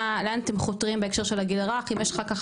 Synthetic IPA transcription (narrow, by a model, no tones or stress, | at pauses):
lanat̪emχot̪ʁimbeekʃeʁʃelaɡilʁaχimjeʃχakaχ